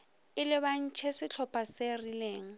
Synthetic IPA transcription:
ɪlɪβan̩t͡ʃʰɛsɪt͡ɬʰɔpʰʼaserileːŋ̩

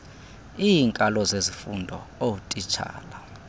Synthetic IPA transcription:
iːŋkʼalɔzezifundʱɔowutʼit͡ʃʰa̰ːla

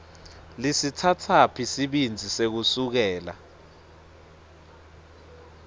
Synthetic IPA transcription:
lisitʰatʰapʰisiɓind͡zʱisek̬usuk̬ɛːla̰

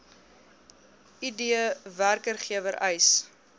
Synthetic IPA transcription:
idiəværkərχiəvəɾʔɛjs

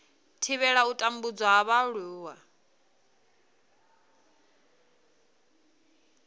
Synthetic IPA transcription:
tʰiβɛɺautʼambud͡zwaɦaβaɺuːwa

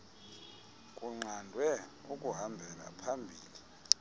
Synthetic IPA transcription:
kʼuŋ͡ǀandʱwɛ | ukʼuɦambʱɛla̰pʰambʱiːli

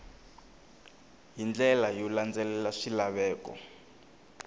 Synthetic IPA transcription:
ɦind͡ɮɛlajɔland͡zɛlɛlaʂilaβɛːkɔ̰

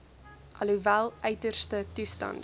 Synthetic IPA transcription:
ʔɐluvælˠœɥtərstətustɐ̰nt

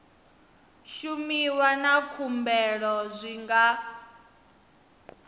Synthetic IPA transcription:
ʃumiwanakʰumbɛɺɔzʷiŋɡa

